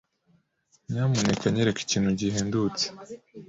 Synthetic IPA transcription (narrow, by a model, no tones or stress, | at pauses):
ɲaːmonekaɲeɾeki̥ciːn̥huɟiɦeːndut͡se̥